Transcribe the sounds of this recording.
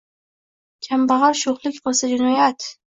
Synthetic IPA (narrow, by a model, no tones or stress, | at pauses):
kʲʰambaʁɒɾʃoχlˠɪkʲqosad͡ʒɪnɒjat̪